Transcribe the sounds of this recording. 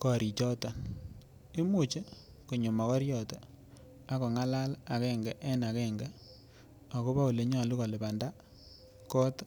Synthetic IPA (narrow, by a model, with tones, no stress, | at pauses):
kɔ˨ɾi˨t͡ʃɔ˦tɔ˨ | e˦mu˨t͡ʃe˦ | ku˨ɲo˨ma˨kɔ˦ɾjɔ˨tɔ˨ | a˦ko˨ŋa˦la˦la˨kɛ˦˨ŋɡɛ˨ʔɛ˦na˨kɛ˦˨ŋɡɛ˦ | a˨ko˦pa˦u˨le˨˦ɲɔ˦˨lu˦kɔ˨lɪ˨pa˨nda˦ | kɔ˦t